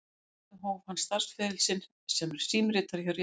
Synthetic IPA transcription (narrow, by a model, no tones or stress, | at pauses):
ɪɦɔːvhanːst̪aɾ̥sfɛːðɪlsɪn | sɛmɛɾ̥siːmɾɪːt̪aɾ̥çœwɾj